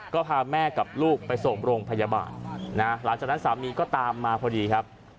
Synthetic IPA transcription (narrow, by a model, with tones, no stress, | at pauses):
kɔː˥˩pʰaː˧mɛː˥˩ka˨˩p̚luː˥˩k̚pa˧jso˨˩ŋɾoː˧ŋpʰa˧ja˧ba̰ː˨˩nːa˦˥la˩˦ŋt͡ɕa˨˩n˦˥nsaː˩˦miː˧kɔː˥˩t̪aː˧mːaː˧pʰɔː˧diː˧kʰɾa˦˥p̚